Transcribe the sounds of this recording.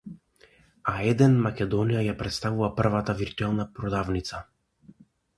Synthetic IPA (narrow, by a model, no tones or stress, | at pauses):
aɛd̪ɛnmakʲɛd̪ɔnijajapɾɛt̪st̪avuvapr̩vat̪aviɾt̪uɛlˠnapɾɔd̪avnit̪sa